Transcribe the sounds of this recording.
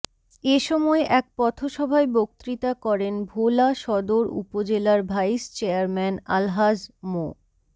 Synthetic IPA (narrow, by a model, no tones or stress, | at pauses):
eʃɔmɔeʔɛk̚pɔt̪ʰoʃɔbʱaebok̚t̪ɾit̪akɔɾenbʱolaʃɔd̪oɾṵpod͡ʑelaɾbʱajist͡ɕeaɾmɛnalɦasmo